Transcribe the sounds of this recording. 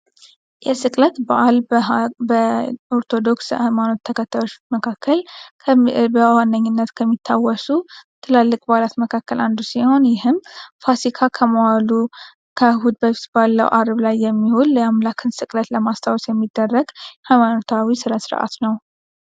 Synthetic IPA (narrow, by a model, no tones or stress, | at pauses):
jɛsɨkʼlət̪baʔalbəo̞ɾt̪ʰo̞d̪o̞kshajmano̞t̪ʰːəkʰət̪ʰːəlot͡ʃməkʰakʰːəl | bəwanːəɲːɪnːət̪kʰəmːit̪ʰːawːɔsut̪ʰɨlalːɨkʼbalat̪məkʰakːəlʔa̰nd̪usiho̞njɪhɨmfasikʰakʰəmowalu | kʰəhud̪bəsbalːə̰wʔaɾblajːɛmːihulːamlakʰɨnsɨkʼlət̪ləmast̪ʰawsjɛmːid̪ːərːəɡhajmanot̪ʰawisɨɾasɨɾʔa̰t̪nəw